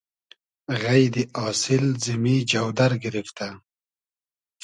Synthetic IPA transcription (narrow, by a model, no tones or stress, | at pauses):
ɣajd̪iʔɑːsɪlzɪmid͡ʒawd̪aɾɡɪɾɪft̪a